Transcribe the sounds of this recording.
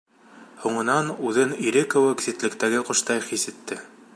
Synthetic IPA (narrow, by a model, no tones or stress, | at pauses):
huɴɤ̆nɑnʉðɘniɾɘkŏwɤkisʲĭt̪lɘ̆kt̪æɡɘqŏʃt̪ɑjχisɘ̆t̪ːɘ